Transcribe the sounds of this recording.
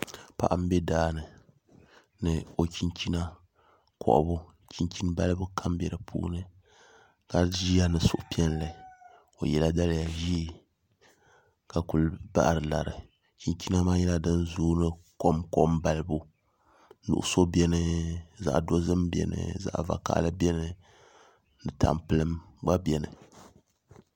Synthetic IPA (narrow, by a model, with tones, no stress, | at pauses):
pa̰˨ʔa˨m̩˦bɛ˦daː˦nɨ˨ | nɨ˨o˨ki˦nt͡ʃi˦na˦ | kʰɔ̰˨ʔbʊ˦ | ki˦nt͡ʃi˦nba˦lɨ˦bu˦kʰa˦mbɛ˨ɾɨ˨pʰṵː˦nɨ˦ | ka˨ʒi˦a˦nɨ˨sʊ˦ʔʊ˦pi˦ɛ˦nla˨ | o̰˨jɛ˨la˦da˦lja˨ʒi˦e˦ | ka˨ku˨lba̰˦ʔɾɨ˨la˨ɾɨ˨ | t͡ʃi˦nt͡ʃi˦na˦maː˦jɛ˦la˦dɨ˦nzuː˦nɨ˦ko˦mko˦mba˨lɨ˦bu˦ | nṵ˨ʔʊ˦so˦bɛ˦nɨ˨za̰˨ʔdo˦zɨ˦mbɛ̰˨nɨ̰˨za̰˨ʔva̰˨ka̰˦ʔlɨ˦bɛ˦nɨ˨ | nɨ˨ta̰˨mpɨ˦lɨ˦mɡ͡ba˦bɛ˨nɨ̰˨